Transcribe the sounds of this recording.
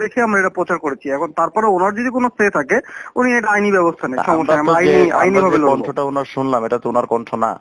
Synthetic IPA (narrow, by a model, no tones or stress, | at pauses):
ekʰeamɾaeʈapɾot͡ɕaɾkoɾet͡ɕʰiɛkʰont̪aɾpɔɾeonaɾd͡ʑod̪ikonost̪ʰet̪ʰakeunieʈaajnibɛbost̪ʰanejʃʰɔmoʃaamajnia̰jnibʱabeloɔnʈʰoʈaonaɾʃunlameʈat̪oonaɾkɔɳʈʰona̰